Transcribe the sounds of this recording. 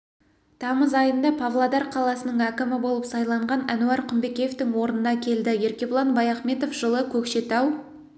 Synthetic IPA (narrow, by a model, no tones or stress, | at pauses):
t̪ʰɑməzɑjənd̪ɑpʰɑvlˠɑd̪ɑɾqʰɑlˠɑsənəɴækʲɪmɪbo̞lˠəpsɑjlˠɑɴʁɑnænuɑɾqʰʊmbe̞kʲejeft̪ɪŋwo̞ɾənənɑkʲʰe̞ld̪ɪje̞ɾkʲe̞bʊlˠɑnbɑjɑχme̞t̪o̞fʒ̥əlˠəkʲʰɵkʃe̞t̪ɑw